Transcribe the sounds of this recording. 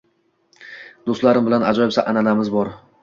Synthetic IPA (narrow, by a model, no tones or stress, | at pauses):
d̪̥ost̪laɾɪmbɪlanad͡ʒɒjɪsaʔananamɪzbɒɾ